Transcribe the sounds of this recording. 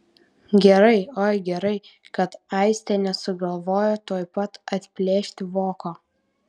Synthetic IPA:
ɡʲɛɾɐɪoːɪɡʲɛɾɐɪ | kɐt̪ɐˑɪsʲt̪ʲɛnʲɛsʊɡɐlˠʋoːjot̪oɔːjpɐt̪ɐt̪ʲpʲlʲeːʃʲt̪ʲɪʋoːkoː

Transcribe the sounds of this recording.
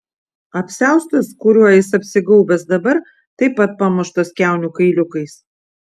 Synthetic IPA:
ɐpʲsʲæˑʊst̪ɐskʊɾʲuɔjɪsɐpʲsʲɪɡɐʊbʲɛsd̪ɐbɐɾ | t̪ɐɪpɐt̪̚pɐmʊʃt̪ɐskʲæˑʊnʲukɐɪlʲʊkɐɪs

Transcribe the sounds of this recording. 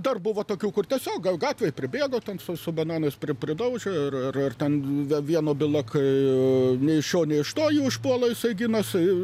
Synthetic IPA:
d̪ɐrbʊʋoːt̪oːkʲuːkʊrt̪ʲiɛsʲoːk̚ɡɐlˠɡɑːt̪ʲʋʲeːjpʲɾʲɪbʲeːɡoːt̪ʲɛnsʊsʊbɐnɑːnɐɪspʲɾʲɪpʲɾʲɪd̪ɐʊʒʲoɪrɪrɪrt̪ʲɛnʋʲʋʲiɛnoːbʲɪlˠɐkʰɐɪnʲɛɪɪʃʲoːnʲɛɪɪʃt̪oːjiɪʃpuɔlˠɐːjɪsɐɪɡʲɪnɐs

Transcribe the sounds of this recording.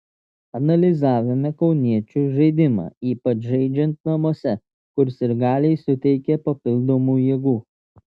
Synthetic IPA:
ɐnɐlʲɪzɑːʋʲɪmʲɛkɒʊnʲiɛt͡ʃʲuːʒɐɪd̪ʲɪmɑ̰ːiːpɐt͡ʃʒɛɪd͡ʒʲɛnt̪nɐmuɔsʲɛ | kʊɾsɪɾɡɑːlʲɛɪsʊt̪ʲɛɪkʲɛpɐpʲɪlˠd̪oːmuːjiɛɡuː

